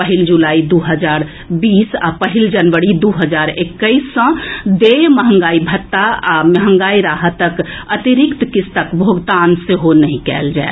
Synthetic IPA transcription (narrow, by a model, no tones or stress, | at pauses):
pəɦild͡ʒulaːid̪uɦəd͡ʒaːɾ | biːsa̰pəɦild͡ʒənʋəɽid̪uɦəd͡ʒaːɾekːəisːə̃d̪eməɦə̃ŋɡaːibʱət̪ːaaməɦə̃ŋɡaːiɾaːɦət̪əkət̪iɾɪkt̪kɪst̪əkbʱoɡt̪aːnseɦonəɦĩkɛ̰ːld͡ʒa̰ḛ